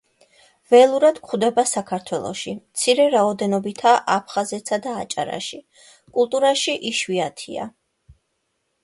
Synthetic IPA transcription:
vɛlˠuɾad̪̥kχud̪ɛbasakʰaɾt̪ʰwɛlˠɔ̰ʃimt̪sʰiɾɛɾaɔd̪ɛnɔbit̪ʰaʔapʰχazɛt̪sad̪aːt͡ʃʼa̰ɾa̰ʃi | kʼulˠt̪ʼuɾaʃiʔiʃwiat̪ʰia̰

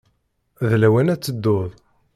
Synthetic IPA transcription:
ðlæwænæt͡sːəd̪ːoðˤ

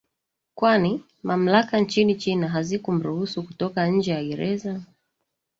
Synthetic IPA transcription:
kwani | mam̩lakant͡ʃinit͡ʃinaɦazikɔm̩ɾuhusukutɔkaɲ̩d͡ʒɛjaɡɛɾɛza

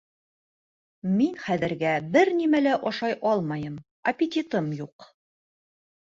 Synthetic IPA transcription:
minχæðɘ̆ɾɡæbɘɾnimælæʔɑʃɑjʔɑlˠmɑjɤm | ɐpʲɪt̪ʲit̪ɤmjuq

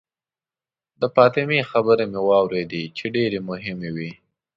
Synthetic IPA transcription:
d̪əpɑt̪ɪmixabəɾemewɑwɾed̪et͡ʃeɖeɾemʊɦɪmewi

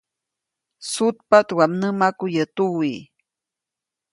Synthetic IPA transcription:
sut̪̚pat̪wamnəmakujət̪uwi

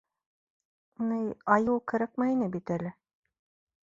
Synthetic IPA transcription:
nɤjɑjɤwkɘ̆ɾɘ̆q̚mæinɘbit̪ælɘ

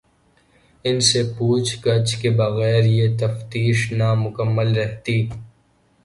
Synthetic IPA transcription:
ɪnsepuːt͡ʃʰɡɐt͡ʃkebɐɣɛːɾjet̪ɐft̪iːʃnamʊkəmːəlɾɛɦt̪iː

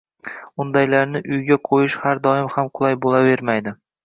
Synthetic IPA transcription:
ʊnd̪ajlaɾnɪʔʊjɡʲaqʰojɪʃhaɾd̪ɒɪmhamqʰʊlˠajbolˠave̞ɾmajd̪ɪ

